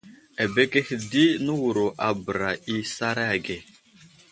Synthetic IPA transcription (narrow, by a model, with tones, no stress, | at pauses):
a˨be˦ke˦hdi˦nə˦wu˨ɾo˨ʔa˨bə˨ɾa˨ʔi˦sa˦ɾa˦a˨ɡe˨